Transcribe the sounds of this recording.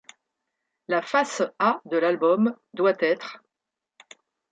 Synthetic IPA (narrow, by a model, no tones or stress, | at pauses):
lafasad̪əlalbɔm | d̪wat̪ɛt̪χ